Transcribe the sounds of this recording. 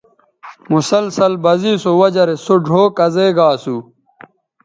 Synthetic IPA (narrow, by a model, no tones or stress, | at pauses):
musɐlsɐlbɐziːsowɐd͡ʑɐɾesoɖʱoːkɐzeːɡaːsu